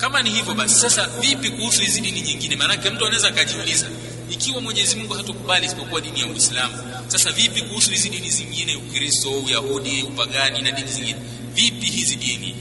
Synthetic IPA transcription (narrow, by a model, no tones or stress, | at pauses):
kamanihivjɔɓasi̥sasavipikuhusuhiziɗiniɲiŋɡinɛmaːnakɛm̩tuanaɛzaːkaʄiuliza̰ | ikiwamwɛɲɛɛzimuŋɡuhatukuɓaliisi̥pɔkuwaɗinijawislamu | sasavipikuhusuhiziɗiniziŋɡinɛukiɾisɔujahuɗiupaɡaninaɗiniziŋɡinɛ | vipihiziɗinḭ